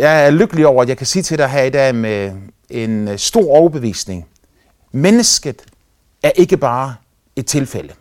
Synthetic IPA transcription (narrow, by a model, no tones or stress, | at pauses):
jɑ̈ɪæɐløɡ̥əliɒʊ̰ɐæ̥jɑɪkʰæsḭːt͡sʰe̝deæɦæed̥æme | e̝nsd̥o̝ɐ̰ɒʊɐb̥e̝ʋḭːsne̝ŋ | menəsɡ̥ð̩ˠ | æɐʔe̝ɡ̥əb̥ɑ̈ː | e̝d̥̚t͡sʰe̝lfel̰ə